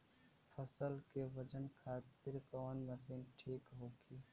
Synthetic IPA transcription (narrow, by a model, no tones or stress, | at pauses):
pʰəsəlkeʋəd͡ʒənkʰaːt̪ɪɾkɔːnmɐsiːnʈʰiːkɦoːɡiː